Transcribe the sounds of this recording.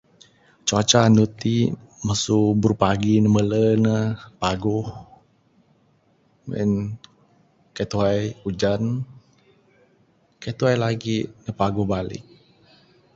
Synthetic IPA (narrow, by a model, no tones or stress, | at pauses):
t͡ʃat͡ʃanut̪i | məsubəɾupaɡinəmələnəpaɡʊh | mə̰n | kat̪uɦajud͡ʒan | kat̪uajlaɡinəpaɡʊhbalɪ̰k̚